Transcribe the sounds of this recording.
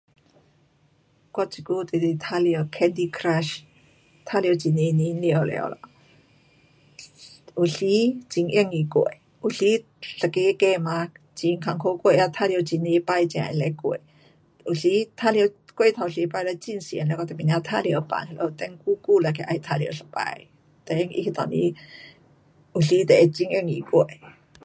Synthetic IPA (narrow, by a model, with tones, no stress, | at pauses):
kwa˧˥t͡ɕi˨ku˦t̪e˨li˧t̪ʰa˥li˧ə˧wkʰɛ˧˥nd̪i˧kʰɾa˧ʃ | t̪ʰa˦˥li˧ə˧˦t͡ɕi˨ne˧˦ni˧˦nli˧ə˨wlɛ̰˧˨ə̰˧˦wla̰˧˨ | ʔu˨ɬi˦t͡ɕi˧˦ŋʔj̰ŋi˧˨kḛ˧˨ | ʔu˨˩ɬi˧˦ | ɬə˨ke˧˦kɛ˧˨ma˧ | t͡ɕi˧ŋkʰa˧˩ŋkʰo˧˦kwe˧˨ʔa˧t̪ʰa˥˧li˧˦t͡ɕi˧˦ni˧˦pa˧jt͡ɕã̰˨ʔḭ˧˨le˧jkwḛ˧˨ | u˨˩ɬi˧˦t̪ʰa˥ljə˧wkwe˥˧˨t̪ʰa˨ɬi˧˦pa˧jla˧˦t͡ɕi˧˨nsjɛ̰˨˧˨nlkɔ˧t̪e˨pi˨n˧a˧t̪ʰa˥˨li˧ə˧˦pa̰˨nha˧lʔo˧˨t̪ɛ˧˦ŋku˦ku˥˧˨la˧˨kʰe˧˦ʔa˧jt̪ʰa˧li˧˦ɬə˨pa̰˧j | t̪e˧˨˧ŋḭ˧i˧t̪ɔ̰˨˩nḭ˧˦ | u˨˩ɬi˧˦t̪e˨˧t͡ɕi˧˦ŋḭ˧˨ŋi˨˧˩kwe˧˩˨